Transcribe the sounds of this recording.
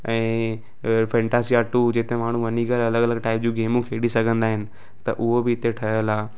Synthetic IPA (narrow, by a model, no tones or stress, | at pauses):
ɛ̃ː | fɛ̃ːɳʈaːsiaːʈud͡ʑɪt̪ẽmaːɳ̤ũʋɐniɡəlɐləɡɐləɡʈaːɪp̚d͡ʑũːɡeːmũkʰeːɽisɐɡʱə̃nd̪aːɦɪnɪ̆ | t̪ɐʔʊɦobɪːt̪eʈʰɐɦəlaː